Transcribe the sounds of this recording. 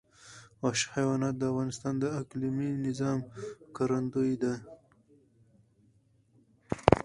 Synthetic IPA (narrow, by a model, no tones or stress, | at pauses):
waʃhajwɑnɑt̪̚d̪əavɣɑnɪst̪ɑnd̪əakliminɪzɑmkaɾand̪ujd̪a